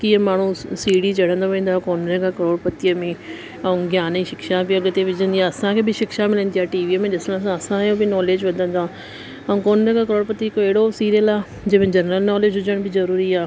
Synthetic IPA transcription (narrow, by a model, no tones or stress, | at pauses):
kiːə̃maːɳ̤ũsiːɽit͡ʃɐɽ̤ə̃nd̪oʋẽːn̆d̪aːkoːnɾẽkakɐɾoːɽpɐt̪ijəmẽ | ɐũɡjaːniʃɪkʃabiɐɡt̪eʋɪd͡ʒə̃nd̪iãːɐsãkʰeːbɪʃɪkʃamɪlə̃nd̪iaːʈiːʋiːəmẽɗɪsənasãɐsãjobɪnɔːleːd͡ʒʋɐd̪ʱə̃nd̪aː | ɐũːkoːnɾẽkakəɾoːɽpɐt̪ikoeːɽosiːɾiəlaː | d͡ʒeːmẽd͡ʒɐnɾəlnɔːleːd͡ʒɦʊd͡ʒəɽ̃bʱɪzɐɾuːɾiaː